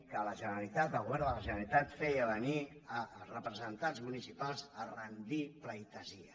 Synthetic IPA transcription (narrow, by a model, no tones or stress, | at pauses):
kələʒənəɾəlit̪at̪̚ːəɣuβɛɾnðələʒənəɾəlit̪at̪fejəβəniərəpɾəzənt̪anzmunisipalˠzərənd̪ipləjt̪əziə